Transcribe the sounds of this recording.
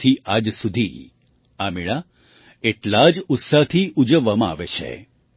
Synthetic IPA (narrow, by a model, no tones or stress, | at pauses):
t̪ʰiad͡ʒsud̪ʱi | amiɭa | eʈlad͡ʒʊt̪saɦt̪ʰiud͡ʒəʋːamãa̰ʋet͡ʃʰḛ